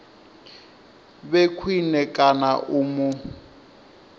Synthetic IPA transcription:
bekʰwinɛkʼanaʔuːmʊ

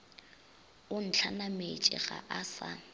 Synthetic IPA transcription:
ʊn̩t͡ɬʰanamet͡ʃʼɪ̰ɣa̰ʔasa

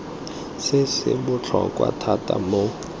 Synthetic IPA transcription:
sɪsɪ̰bʊt͡ɬʰɔkʼwa̰tʰatʼamo

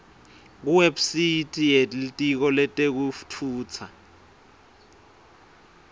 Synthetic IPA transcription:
k̬uwebsitʼijeltʼik̬ɔlɛtʼek̬uftʰuːt͡sʰa̰

